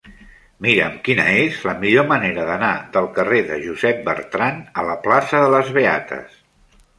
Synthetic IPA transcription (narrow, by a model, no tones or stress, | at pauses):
miɾəmkinə̰ezləmiʎoməneɾəðənaðəlˠkəreðəʒuzɛp̚bə̰ɾt̪ɾanələplasəðələzβea̰t̪ʰə̰s